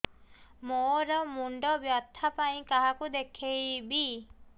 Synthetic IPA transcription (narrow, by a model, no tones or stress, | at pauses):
moɾɔmuɳɖɔbjat̪ʰːapaĩkaɦakud̪ekʰejbi